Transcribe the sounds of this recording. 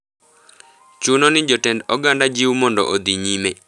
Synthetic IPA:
t͡ʃunonɪd͡ʒɔtɛndɔɡandad͡ʒiumɔndɔ̰ʔod̪iɲime

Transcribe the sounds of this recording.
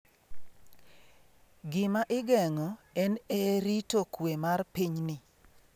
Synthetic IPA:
ɡɪmaʔɪɡɛŋɔɛneɾitokwemarpiɲnɪ

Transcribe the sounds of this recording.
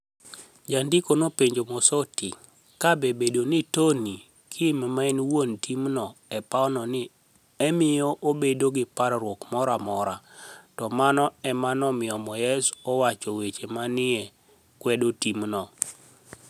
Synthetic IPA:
d͡ʒandikonopeɲd͡ʒomɔsɔti | kabebedonitoni | kʰimamainwontʰimnɔɛpaɔnɔnɪ | ɛmɪjɔʔobedoɡɪpaɾɾwokmɔɾamɔɾatɔmanɔɛmanɔmɪɔmɔjɛsɔwat͡ʃɔwet͡ʃemanɪɛ | kwɛdotimnɔ

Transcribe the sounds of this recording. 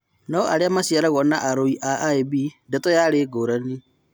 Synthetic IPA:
naɔʔaɾeamasiaɾaɣɔnaʔaɾoiʔaʔaebindetɔjaɾeːɡoɾani

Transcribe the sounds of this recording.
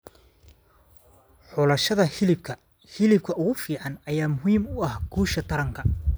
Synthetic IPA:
ħɔːlɐʃɐðɐhɪlɪbkʰɐ | hɪlɪb̚kʰɐʔʊɣʊfiːʕɑnɐjaːmʊɦiːmʊɐhɡuːʃɐt̪ʰɐɾɐŋkʰɐ

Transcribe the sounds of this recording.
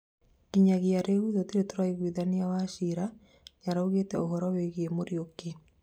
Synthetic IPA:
kiɲaɣiaɾeɣwiðotiɾetoɾwaiɣwiðaniawaʃiɾa | ɲaɾauɣetɛohɔɾɔweɣemoɾjoke

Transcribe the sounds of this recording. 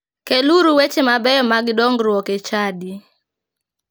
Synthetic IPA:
keluɾuwet͡ʃemabɛjɔmaɡdɔŋɡɾwɔket͡ʃadi

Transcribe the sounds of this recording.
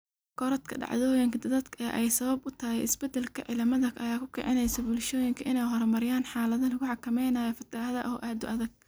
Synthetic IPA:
kʰɔɾɐt̪kʰɐ̰ɖɑ̰ʕðɔːjɪŋkʰɐd̪ɐðɐd̪kʰɛʔɛjsɐβɐbʊt̪ʰɐhɛ̰jɪsbɛd̪ɛlkʰɐ̰ʕɪ̰lɐmɐðɐkʔɐjaːkʰʊkʰɛ̰ʕɪnɛjsɐbʊlʃɔːjɪŋkʰɐʔɪnɛjɦɔɾɐmɐɾɪjaːnħaːlɐðɐlɐɣʊħɑkʰɐmɛjnaːjɔfɐt̪ʰɪɐðɐʔɔːʔaːd̪ʊʔɐðɐɡ̚

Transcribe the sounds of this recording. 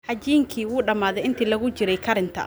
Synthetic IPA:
ħɐt͡ʃiːŋkʰiːwuːɖɐmaːðɛjɪnt̪ʰiːlɐɣʊt͡ʃɪɾɛjkʰɐɾɪnt̪ʰɐ̰

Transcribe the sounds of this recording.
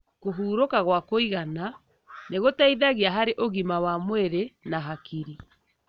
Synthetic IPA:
ɣoɦuːɾokaɣwakoiɣana | neɣotaiðaɣiaɦaɾeʔoɣimawamweɾenaɦakiɾi

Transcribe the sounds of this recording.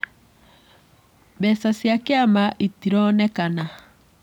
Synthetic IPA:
bɛsasjakeamaʔitiɾɔnɛkana

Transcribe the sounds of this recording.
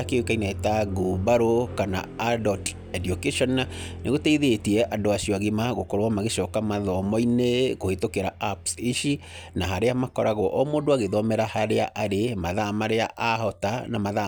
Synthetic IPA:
akewekainaetaɡubaɾokana̰adɔt | ɛdiokɛʃɔnaneɣotɛiðetiɛʔandoaʃiɔaɣimaɣokɔɾowamaɣeʃɔːkamaðɔmɔineɣohetokeɾaapsiʃi | naɦaɾeamakɔɾaɣɔʔɔmoːndoaɣeðɔmɛɾahaɾea̰ʔaɾemaðamaɾea̰ʔahɔtanamaða

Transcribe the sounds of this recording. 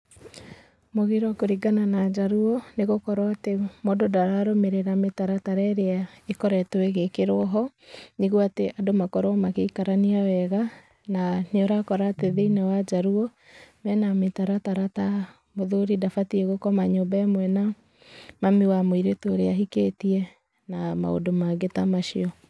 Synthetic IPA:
moɣiɾwɔkoɾiɡananad͡ʒaɾuɔneɣokɔɾaatemododaɾaɾomeɾeɾametaɾataɾɛɾeaekɔɾɛtoeɣekeɾoɦɔ | niɣuateʔadomakɔɾomakeikaɾaniawɛɣa | naneoɾakɔɾaːteðeinawad͡ʒaɾuɔ | mɛnametaɾataɾata | moðoɾidafatiɛɣokɔmaɲobaɛmwɛna | mamiwamoiɾetoɾeaɦiketiɛ | nama̰o̰domaɡetamaʃiɔ

